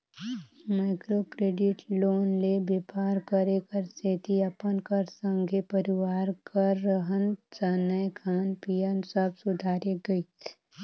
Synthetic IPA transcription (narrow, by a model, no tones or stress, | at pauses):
maːɪkɾokɾeːɖɪʈloːnlebepaːɾkəɾekəɾset̪iɐpənkəɾsə̃ŋɡʱepəɾɪʋaːɾkəɾːəɦənd͡ʒaːnəjkʰaːnpijənsəbsʊd̪ʱaːɾjəɡɐi